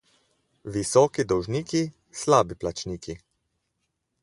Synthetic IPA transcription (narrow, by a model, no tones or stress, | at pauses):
ʋisɔːkid̪ɔwʒniːki | slaːbiplat͡ʃniːki